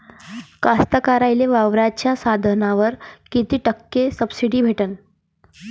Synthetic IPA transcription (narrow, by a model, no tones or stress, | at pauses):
kast̪əkaɾajleʋaʋɾat͡ɕjasad̪ʱənaʋəɾkit̪iːʈəkːesəbsiɽiːbʱeʈən